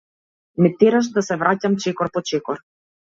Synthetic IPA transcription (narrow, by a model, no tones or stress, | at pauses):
mɛt̪ɛɾaʃ̬d̪asɛvɾacamt͡ʃɛkɔɾpɔt͡ʃɛkɔɾ